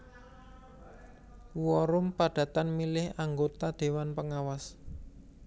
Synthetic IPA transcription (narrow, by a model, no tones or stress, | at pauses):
wɔɾʊmpaɖ̥a̤t̪anmilɪhaŋɡot̪ad̪̥e̤wanpəŋawas